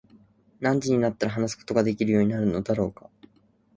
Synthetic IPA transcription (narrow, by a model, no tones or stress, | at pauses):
nãɲ̟d͡ʑiɲ̟inat̪ːaɾaɦanas̬ɨ̥ko̥t̪o̞ɡad̪e̞kʲiɾɯ̟jo̞ːɲ̟inaɾɯ̟no̞d̪aɾo̞ːkḁ